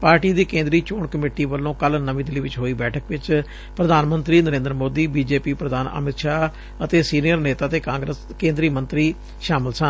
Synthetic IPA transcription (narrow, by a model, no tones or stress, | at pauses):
paːɾʈiːd̪iːkẽːnd̪ɾiːt͡ʃoːɳkəmeːʈiːʋəlːõːkəlnəʋĩːd̪ɪliːʋɪt͡ʃɦoːiːbɛːʈʰəkʋɪt͡ʃ | pɾəd̪aːnmənt̪ɾiːnəɾẽːnd̪ɾəmoːd̪iːbiːd͡ʒeːpiːpɾəd̪aːnə̰mɪt̪ʃaː | ət̪eːsiːnijəɾneːt̪aːt̪eːkãːŋɡɾəs | kẽːnd̪ɾiːmənt̪ɾiː | ʃaːmɪlsən